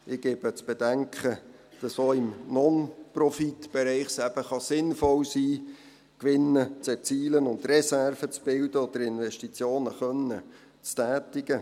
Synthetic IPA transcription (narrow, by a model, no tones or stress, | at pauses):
ɪɡ̥eːb̥ət͡sb̥edɛŋkχəd̥ɑsʋoːɪmnɔnprɔfitb̥ɛɾɛɪχsæb̥əχɑsɪnfɔlsiː | kʋɪnːət͡sɛt͡siːlənʊnd̪rɛsærfət͡sb̥ɪldəɔd̥̪əɾɪnʋɛʃtit͡sjoːnəχœnə | t͡stæːtɪɡ̥ə